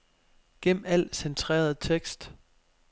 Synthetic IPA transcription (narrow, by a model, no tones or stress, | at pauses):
ɡ̥ḛm̩æl̰sent͡sʰʁɛ̰ːɐðˠt͡sʰeɡ̥sd̥